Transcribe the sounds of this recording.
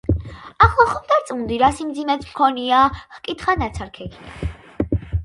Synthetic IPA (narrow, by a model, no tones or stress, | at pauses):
aχɔχɔmt̪ʼɛɾt͡sʼund̪iɾasimd͡zimɛt͡sʰmkʰɔnijahkʼit̪χanɛt͡sʰaɾkʰɛkʰia̰